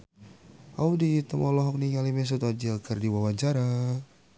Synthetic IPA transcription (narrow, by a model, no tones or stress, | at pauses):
a̰udit̪əmɔlɔɦɔk̚niŋalimɛs̬ut̪ɔd͡ʒilkərdiwawaɲd͡ʒaɾa